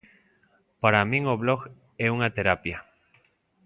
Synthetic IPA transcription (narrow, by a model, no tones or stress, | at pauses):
paɾamĩŋoβloɣ | eunat̪e̞ɾapja